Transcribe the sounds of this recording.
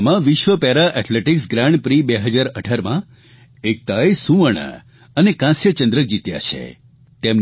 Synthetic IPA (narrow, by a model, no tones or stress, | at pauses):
mãʋɪʃʋəpɛɾaʔɛʈleʈiksɡɾãɳɖpɾibeɦəd͡ʒaɾəʈʰaɾmã | ek̚t̪ajsũʋəɳ̃ə̰ | ənekãsjət͡ʃə̃nd̪ɾək̚d͡ʒit̪ja̰t͡ʃʰḛ | t̪emn